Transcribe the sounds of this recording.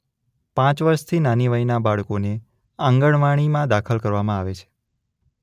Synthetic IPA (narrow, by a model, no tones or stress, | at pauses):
pãt͡ʃʋəɾʃt̪ʰinaniʋainabaɭkone | ãŋɡəɳʋaɽ̃imãd̪akʰəlkəɾʋamãaʋet͡ʃʰe̥